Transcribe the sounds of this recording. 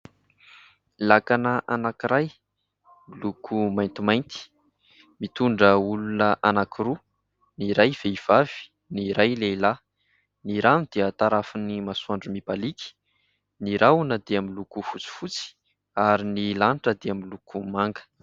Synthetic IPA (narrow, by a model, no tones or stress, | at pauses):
lakanəʔanakiɾaj | milukʰumajnt̪imajnt̪i̥ | mit̪uɳɖ͡ʐəulunəʔanakiɾu | niɾajv̥eiv̥av̥i̥ | niɾajleila | niɾanid̪̥eət̪aɾafunimasuaɳɖ͡ʐumib̥aliki̥ | niɾawnəd̪eamilukufut͡si̥fut͡si̥ | aɾinilaɳʈ͡ʂəd̪eamilukumaŋɡə̥